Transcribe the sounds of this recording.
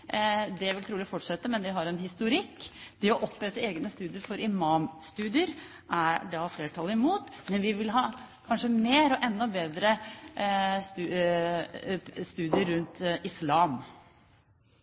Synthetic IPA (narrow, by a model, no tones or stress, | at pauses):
d̪ɛʋɪlt̪ʰɾuːlɪfɔʈːʂɛt̪ːəmɛnd̪ɛɦɑɾɛnɦɪst̪ʊɾɪkːd̪̥ɛɔʔɔpːɾɛt̪ːəeːɡnəst̪ʉːd̪ɪəɾfɔɾɪmɑːmst̪ʉːd̪ɪəɾ | ʔæɖɑfleːʈʰɑlːɪmuːt̪mɛnʋɪʋɪlɦɑː | kʰɑnʂəmeːɾɔʔɛnːɔbeːd̪ɾə | st̪ː | st̪ʉːd̪ɪəɾːʉnt̪ɪslɑːm